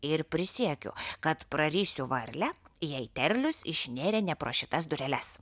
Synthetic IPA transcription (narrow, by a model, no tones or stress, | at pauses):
ɪɾpʲɾʲɪsʲiɛkʲʊ̰kɐt̪pɾɐɾʲiːsʲʊʋɐɾʲlʲɛjɛɪt̪ʲɛɾʲlʲʊsɪʃʲnʲeːɾʲeːnʲɛpɾoːʃʲɪt̪ɐs̬d̪ʊɾʲɛlʲɛs